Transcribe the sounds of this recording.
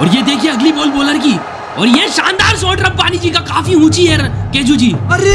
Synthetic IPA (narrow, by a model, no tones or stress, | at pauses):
ɔːɾjed̪eːkʰieɐɡliboːlboːləɾk̬i | ɔːɾjeʃãːnd̪aːɾsoːɖɾɐb̚paːnid͡ʒikakaːfiɦũːt͡ʃiɦɛkeːd͡ʒud͡ʒiː